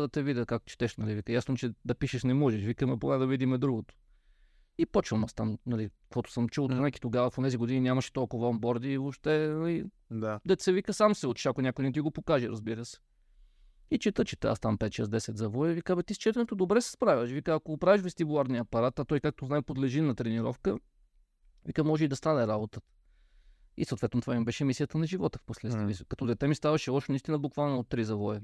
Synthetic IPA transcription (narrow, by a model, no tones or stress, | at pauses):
d̪ɐt̪ɛvidʲəkak̚t̪t͡ʃɛ̥t̪ɛʃnɐlivikəjasnot͡ʃɛd̪ɐpiʃɛʃnɛmɔʒɛʃvikəmɛboɡad̪ɐvid̪imɛd̪ɾuɡot̪o̥ | ipɔt͡ʃvəmast̪amnɐlikovɔt̪ʊ̥səmt͡ʃulˠznajkʲi̥t̪oɡavɐfonɛziɡod̪inʲinʲamɐʃɛ̥t̪ɔlˠkovɐombɔɾd̪iːvopʃt̪ɛnɐli | d̪ad̪ɐt̪sɛvikəsamsɛot͡ʃ̪ʃakʊjnʲakʊjnɛt̪iɡopokaʒɛɾɐzbiɾəsɛ̥ | it͡ʃɛt̪ət͡ʃɛt̪ɛa̰st̪ampɛt̪̚t͡ʃɛsd̪ɛsɛt̪zɐvɔɛvikavɐt̪ist͡ʃɛt̪ɛnot̪od̪obɾɛsɛ̥spɾavʲəʃvikəːkoɡpɾaviʃvɛst̪ibulˠaɾniɐpɐɾat̪at̪ɔjkak̚t̪oznaɛpod̪lɛʒinɐt̪ɾɛniɾɔfkə | vikəmɔʒɛid̪ɐst̪anɛɾabot̪ə̥ | ḭsot̪vɛt̪not̪vaimbɛʃɛmisʲijət̪ənɐʒivɔt̪əfposlɛt̪vkɐt̪ɔd̪ɛt̪ɛmist̪avɐʃɛlˠɔʃɛnist̪inəbʊkvalˠnɐot̪ːɾizɐvɔɛ